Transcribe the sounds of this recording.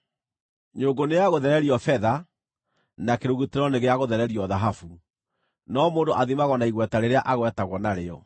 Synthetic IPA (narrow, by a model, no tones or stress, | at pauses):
ɲoŋɡoneaɣoðɛɾɛɾiɔfɛða | nakeɾoɣuteɾɔneɣeaɣoðɛɾɛɾiɔðaɦafu | nɔmoːndoʔaðimaɣɔnaiɣwɛtaɾeɾeaʔaɣwɛtaɣwɔnaɾeɔ